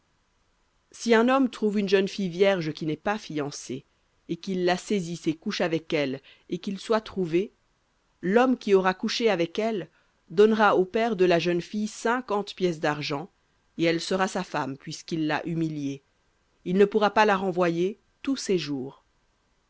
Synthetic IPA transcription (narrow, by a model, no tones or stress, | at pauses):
siɛ̃nɔmt̪χuvynʒənfijvjɛʁʒəkʲinɛpafijɑ̃se | ekʲilːasezisekuʃavɛkɛl | ekilswat̪χuve | lɔmkʲiɔʁakuʃeavɛkɛl | d̪ɔnʁaopɛʁd̪əlaʒənfijsɛ̃kɑ̃t̪pjɛs̬d̪aʁʒɑ̃ | eɛlsəʁasafampɥiskilːa̰ʔymilje | ilnəpuʁapalaʁɑ̃vwaje | t̪useʒuːʁ